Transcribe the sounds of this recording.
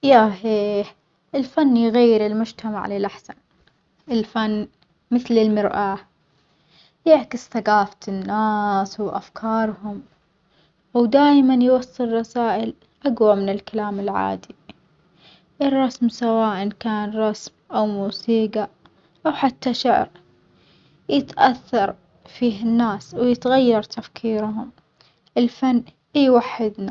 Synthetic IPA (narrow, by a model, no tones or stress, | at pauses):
jaɦiːħ | ʔɪlfanːjɣajːɪɾɪlmʊd͡ʒt̪ʰama̰ʕlɪlʔaħsa̰n | ʔɪlfanː | mɪθlɪlmɪɾʔa | jɪʕkɪsθaɡaːft̪ɪnːaːswʔa̰fkʰɑːɾˤhʊm | ʔwd̪aːjmanjwɑsˤːɨlˤrˤɑsaːʔɪl | ʔaɡwamɪnɪlkalaːmɪlʕa̰ːd̪i | ʔɪrˤːɑsmsawaːʔankaːnɾˤɑsmʔawmuːsiːɡa | ʔawħat̪ːaʃaʕɾ | jɪt̪ʔaθːɑɾˤ | fiːɦɪnːaːswjɪt̪ɣajːɑɾˤt̪ʰafkʰiːɾɦʊm | ʔɪlfanː | jwaħːɪd̪na